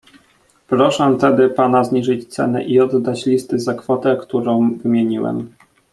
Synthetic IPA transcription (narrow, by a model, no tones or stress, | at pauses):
pɾɔʂɛt̪ɛd̪ɘpanazɲiʐɘt͡ɕt̪sɛ̰nɛ̰ʔiɔd̪d̪ːat͡ɕlʲist̪ɘzakfɔt̪ɛkt̪uɾɔ̃w̃vɘmʲjeɲiwɛ̰m